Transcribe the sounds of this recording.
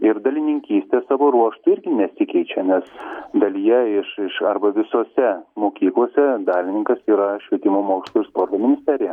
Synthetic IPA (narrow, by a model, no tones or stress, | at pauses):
ɪɾd̪ɐlʲɪnʲɪŋʲkʲiːsʲt̪ʲesɑːʋoːɾuɔʃt̪ʊɪɾʲɡʲɪnʲɛsʲɪkʲɛɪt͡ʃʲɛnʲɛsd̪ɐlʲijɛɪʃɪʃɐɾbɐʋʲɪsoːsʲɛmoːkʲiːklˠuɔsʲɛd̪ɑːlʲɪnʲɪŋkɐsiːɾɐʃʲʋʲiɛt̪ʲɪmoːmoːkʲɪst̪lˠuɪɾspoːɾt̪oːmʲɪnʲɪsʲt̪ʲæɾʲɪjɛ